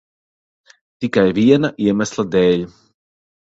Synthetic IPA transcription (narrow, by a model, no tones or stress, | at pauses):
t̪ikajviɛnaʔiɛmaslˠad̪ɛːʎʲ